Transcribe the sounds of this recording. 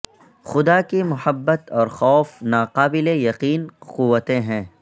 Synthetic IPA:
xʊd̪akimʊhəbːət̪ɔːɾxɔːfnaːqaːbɪlejɐqiːnqʊʋːət̪ẽɦɛ̃ː

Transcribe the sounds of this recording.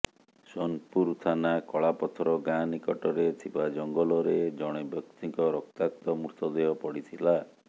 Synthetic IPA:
sɔnpuɾt̪ʰanakɔɭapɔt̪ʰɔɾɔɡanikɔʈɔɾet̪ʰibad͡ʒɔŋɡɔlɔɾed͡ʒɔɽ̃ebjɔkt̪iŋkɔɾɔk̚t̪ak̚t̪ɔmuɾt̪ɔd̪eɦɔpɔɽit̪ʰila

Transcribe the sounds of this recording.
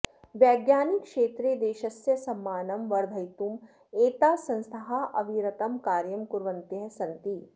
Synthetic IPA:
ʋjɛːɡjaːnikʃeːt̪ɾed̪eːʃɐsjɐsɐmːaːnɐmʋɐɾd̪ʱɐjt̪um | eːt̪aːsɐ̃nst̪ʰɐɦaʔɐ̰ʋiɾɐt̪ɐmkaːɾjɐmkuɾʋɐnt̪jɐɦsɐnt̪i

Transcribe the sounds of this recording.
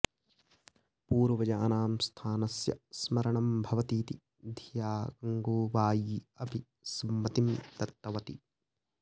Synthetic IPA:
puːɾɐʋɐd͡ʒaːnaːmst̪ʰaːnɐsjɐ̰smɐɾɐɳɐmbʱɐʋɐt̪iːt̪i | d̪ʱijaːɡɐŋɡoːʋaːjiːɐpi | sɐmːɐt̪imt̪ɐt̪ːɐʋɐt̪i

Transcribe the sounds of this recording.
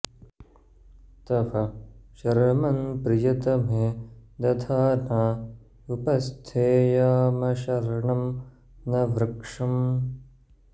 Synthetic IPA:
t̪ɐfɐʃɐɾɐmɐnpɾɪjɐt̪ɐmed̪ɐt̪ʰaːnaː | upɐst̪ʰeːjaːmɐʃɐɾɳɐm | nɐʋɾɐkʂɐm

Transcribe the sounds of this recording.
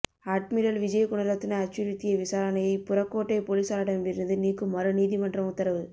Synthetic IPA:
aːʈ̚mɪɾɐlʋɪd͡ʒɐjɐkʊɳɐɾɐt̪ːɪnɐɐt͡ʃːʊɾɯt̪ːɪjɐʋɪsaːɾɐnɐjɐɪpʊɾɐkːoːʈːɐɪpoːliːsaːɾaːɽɐmlɪɾɯnd̪ɯniːkːɯmːɐɾɯniːðimɐnɖrɐmʊt̪ːɐɾɐʋɯ

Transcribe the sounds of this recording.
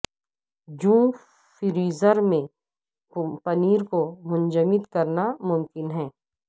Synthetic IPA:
d͡ʒũː | fɪɾiːzəɾmẽ | pɐniːɾkomʊ̃nd͡ʒəmɪd̪kɐɾnamʊmkɪnɦɛ̃ː

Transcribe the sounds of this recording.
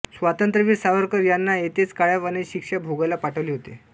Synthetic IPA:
sʋat̪ənt̪ɾəʋiːɾsaʋəɾkəɾjanːaet̪et͡skaɭjaʋəneɕikʂabʱoɡalapaʈʰəʋleɦot̪ḛ

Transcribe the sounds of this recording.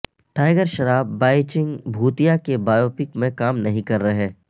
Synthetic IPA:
ʈaːɪɡəɾʃɐɾaːbːaːɪt͡ʃɪ̃ŋɡbʱuːt̪ijakebaːjoːpɪkmẽkaːmnɐɦĩkɐɾːɐɦɛː

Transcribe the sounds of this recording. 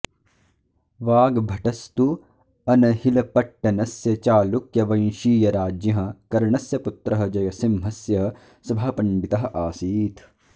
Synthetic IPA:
ʋaːɡbʱɐʈɐst̪u | ɐnɐɦilɐpɐʈːɐnɐsjɐt͡ʃaːlukjɐʋɐ̃j̃ʃiːjɐɾaːd͡ʒjɐɦɐ̃kɐɾɳɐsjɐput̪ɾɐɦɐ̆d͡ʒɐjɐsimɦɐsjɐ | sɐbʱaːpɐ̃nbit̪ɐɦɐ̆ʔaːsiːt̪ʰ

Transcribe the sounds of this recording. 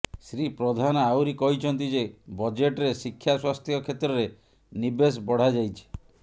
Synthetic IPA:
sɾipɾɔd̪ʱanɔawɾikɔɦit͡ʃʰɔnt̪id͡ʒebɔd͡ʒeʈɾesikʰːjaswast̪ʰjɔkʰet̪ɾɔɾe | nibes̬bɔɽ̤ad͡ʒajt͡ʃʰi̥

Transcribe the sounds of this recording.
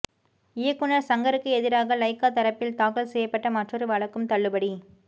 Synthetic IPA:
ɪjɐkːʊnɐɾsɐŋɡɐɾɯkːɯɛðɪɾaːɣɐlɐɪkːaːt̪ɐɾɐpːɪlt̪aːkɐɭsɛjːɐpːɐʈːɐmɐʈrɐɾɯʋɐɭɐkːɯmt̪ɐɭːɯbɐɽi

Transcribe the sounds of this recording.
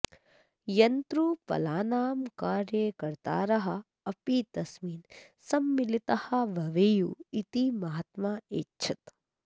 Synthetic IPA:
jɐnt̪ɾupɐ̰laːnaːmkaːɾjɐkɐɾt̪a̰ːɾɐɦɐ̆ | ɐpiːt̪ɐsmiːn | sɐmːilit̪ɐhɐ̆ʋɐʋeːjuit̪imɐɦɐt̪maːeːtːt͡ʃʰɐt̪

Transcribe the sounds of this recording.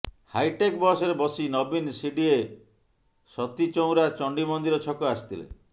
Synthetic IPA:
hajʈekbɔsɔɾebɔsinɔbinsiɖie | sɔt̪it͡ʃow̃ɾat͡ʃɔɳɖimɔnd̪iɾɔt͡ʃʰɔkɔasi̥t̪ʰilḛ

